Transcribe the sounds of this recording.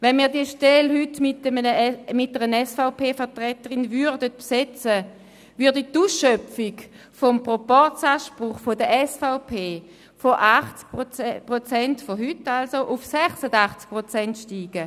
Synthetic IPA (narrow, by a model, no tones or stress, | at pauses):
vɛnmiːɐdiəʃtɛlhytmɪtəmənəmɪt̚ːəʁənɛsfaʊpʰeːfəɐtʁɛtəʁɪnvyʁdət̚psɛt͡sə | vʏɐditusœpfiɡ | fɔmpʁopɔʁt͡saːʃpʁʊχfodəʔɛsfaʊpʰeː | foʔaχt͡sk̚ppʁot͡sɛntfoɦytːalsoʔufsɛχsədaχt͡sk̚pʁot͡sɛntʃtiːɡ̥ə